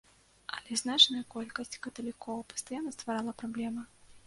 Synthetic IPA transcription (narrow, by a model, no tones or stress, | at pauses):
ɐ̰lʲɛznat͡ʂnɐjɐkɔlʲkɐsʲt͡sʲkɐt̪ɐlʲikɔvɐpɐ̥st̪ajanːɐst̪vaɾalˠɐpɾablʲɛmɨ